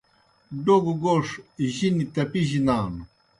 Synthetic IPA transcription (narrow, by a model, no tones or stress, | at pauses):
ɖoɡuɡoʂʑinit̪ɐpiʑinaːnu